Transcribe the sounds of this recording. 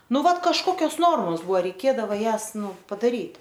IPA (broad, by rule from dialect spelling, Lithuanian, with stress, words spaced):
ˈnʊ ˈʋɐt kɐʃˈkoːkʲoːs ˈnoːrmoːs ˈbuɔ rʲɛɪˈkʲeːdɐʋoː ˈjæːs ˈnʊ pɐdɐˈrʲiːtʲ